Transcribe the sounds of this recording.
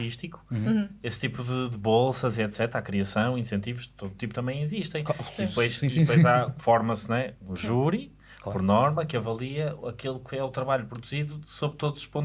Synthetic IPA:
iʃt̪ikũ̥est̪ipuðɨd̪ɨβolˠsɐziɛt̪sɛt̪ɾakɾiɐsɐ̃w̃ĩsẽnt̪ivuʃt̪oðut̪iput̪ɐmɐ̃j̃iziʃt̪ẽj̃iðpojʃð̃pojzafɔɾmɐsnw̃ɛũʒuɾi | apɔɾnɔɾmɐkɐvɐlˠiɐɐkelˠukʰɨɛut̪ɾɐβaʎupɾuðuziðusoβɾt̪oðuz̥uʃpõn

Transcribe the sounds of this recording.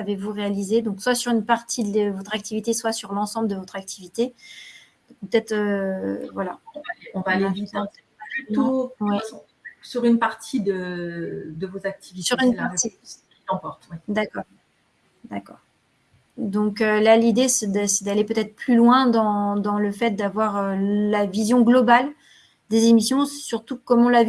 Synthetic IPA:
avevuʁealized̪ɔ̃kswasyʁynpaʁt̪ʰid̪ləvɔt̪χak̚t̪ivit̪eswasyʁlɑ̃sɑ̃bləd̪əvɔt̪χak̚t̪ʰivit̪e | pøt̪ɛt̪χøvwala̰ɔ̃vlɔ̃valeavit̪e | at̪uwɛ̃ | syʁynpaʁt̪ʰid̪ə | d̪əvozak̚t̪ʰivitsyʁynlat̪ikilɑ̃pɔʁt̪wɛd̪akɔːʁ | d̪akɔ̰ːʁ | d̪ɔ̃kølalid̪esɛd̪sɛd̪alepøt̪ɛt̪χplylwɛ̃d̪ɑ̃d̪ɑ̃ləfɛt̪̚d̪avwaʁølavizjɔ̃ɡlɔbal | d̪ezemisjɔ̃syʁt̪ukɔmɑ̃lav

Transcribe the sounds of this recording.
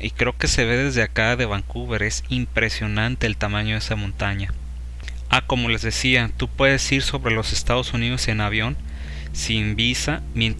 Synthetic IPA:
ikɾe̞oke̞se̞βe̞ðe̞zðeakaðe̞β̞aŋkuβe̞ɾe̞simpɾe̞sjo̞nãnt̪e̞ːlt̪amãɲoðesamõnt̪aɲa | ako̞mo̞le̞zðe̞siat̪upwe̞ðe̞siɾso̞βɾe̞lo̞se̞st̪að̞o̞sunið̞o̞se̞naβ̞jo̞n | simbisa | mje̞nt̪

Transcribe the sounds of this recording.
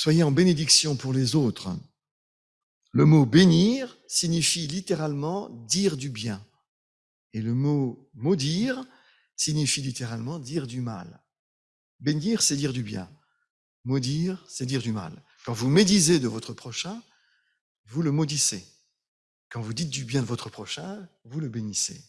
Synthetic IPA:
swajeɑ̃bened̪iksjɔ̃puʁlezot̪χə | ləmobeniʁsiɲifilit̪eʁalmɑ̃d̪iʁd̪ybjɛ̃ | eləmo | mod̪iʁ | siɲifilit̪eʁalmɑ̃d̪iʁd̪yma̰l | beniʁsɛd̪iʁd̪ybjɛ̰̃ | mod̪iʁsɛd̪iʁd̪yma̰l | kɑ̃vumed̪ized̪əvɔt̪χəpχɔʃɛ̃ | vuləmod̪ise | kɑ̃vud̪it̪̚d̪ybjɛ̃d̪əvɔt̪χəpχɔʃɛ̃vuləbenisḛ

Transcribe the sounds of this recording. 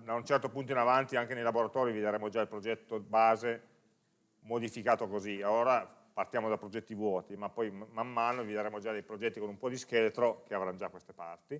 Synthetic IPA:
d̪aunt͡ʃɛrt̪opunt̪oinavant̪iaŋk̟enejlaboɾat̪ɔːɾivid̪eɾeːmod͡ʒailpɾod͡ʒɛt̪ːobaːze | mod̪ifikaːt̪okozialoːɾa | part̪jaːmod̪apːɾod͡ʒɛt̪ːivwɔːt̪imapːɔjmamːaːnovid̪eɾeːmod͡ʒad̪ejpɾod͡ʒɛt̪ːikonumpɔd̪iskelet̪ɾok̟eavɾand͡ʒakwest̪e̥pa̰rt̪i

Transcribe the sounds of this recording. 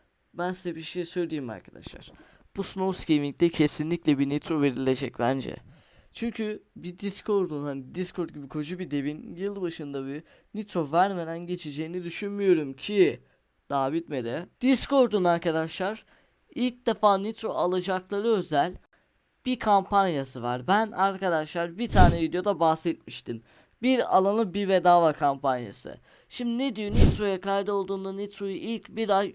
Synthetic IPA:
bænsizɛbiɾʃejsøjlʲijːima̰ɾkʰad̪a̰ʃlˠa̰ɾ̥ | b̥usnoscʰemic̚t̪ɛcʰe̞sinlʲiclʲɛbinet̪ɾo̞ve̞ɾilʲe̞d͡ʒɛc̚bænd͡ʒɛ̰ | t͡ʃʰyɲcʰybid̪iskʰo̞ɾd̪unhanid̪iskʰoɾt̪̚ɟibikʰo̞d͡ʒubid̪e̞vinjɯlˠbaʃɯnd̪abi | nit̪ɾo̞væɾmed̪ænɟe̞t͡ʃʰed͡ʒe̞jːinid̪yʃynmijo̞ɾumcʰi | d̪̥aːbit̪me̞d̪ɛd̪̥isko̞ɾd̪unaɾkad̪aʃlˠaɾ̥ | ilʲc̚d̪efaːnit̪ɾoalˠad͡ʒaklˠaɾɯø̞zælʲ | b̥ikʰampanjasɯva̰ɾbænaɾkad̪aʃlˠaɾbit̪ʰaːnɛvid̪ejo̞d̪abahsɛt̪̚miʃt̪ʰim | biɾa̰lˠanˠɯbivɛd̪aːvakʰampanja̰sɯ̰ | ʃimd̪ined̪ijo̞nit̪ɾo̞jakajd̪ɯo̞lˠd̪uːnd̪anit̪ɾojuʔilʲcbiɾaj

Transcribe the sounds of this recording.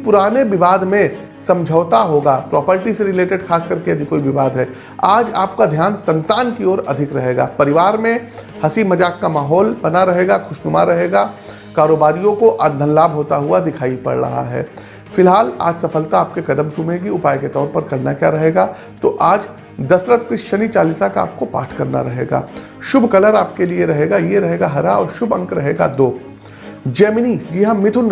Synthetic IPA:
pʊɾaːneʋɪʋaːd̪mẽ | sɐ̃md͡ʒʱəʋt̪aɦoːɡapɾɔːpəɾʈiseɾɪleːʈeɖxʰaːskɐɾkeɐd̪ʱikoːiʋɪʋaːd̪ɦɛː | aːd͡ʒaːp̚kad̪ʱjaːnsɐ̃nt̪aːnkiɔːɾɐ̰d̪ʱɪkɾɐɦeːɡa̰ːpɐɾɪʋaːɾmẽ | hɐsimɐd͡ʒaːkːamaːɦɔːlbɐnaɾɐɦeːɡaxʰʊʃnʊma̰ɾɐɦeːɡaː | kaːɾoːbaːɾijõkoʔad̪ʱənlaːbɦoːt̪aɦuad̪ɪkʰaːipɐ̰ɽɾɐ̰ɦa̰ɦɛ̰ː | fɪlɦaːla̰ːd͡ʒsɐfəlt̪aːp̚kekɐd̪əmt͡ʃʊmeːɡiʊpaːjket̪ɔːɾpɐɾkɐlnakjaɾɐɦeːɡaː | t̪oʔaːd͡ʒ | d̪ɐsɾət̪kɾɪʃʃənit͡ʃaːlɪsakaa̰ːp̚kopa̰ːʈʰkɐɾna̰ɾɐɦeːɡa̰ː | ʃʊbʱkɐləɾaːp̚kelieɾɐɦeːɡajeɾɐɦeːɡaɦɐɾaɔ̰ːɾʃʊbʱɐ̃ŋkɾɐɦeːɡa̰d̪oː | d͡ʒɛːmnid͡ʒɪɦãmɪt̪ʰʊn

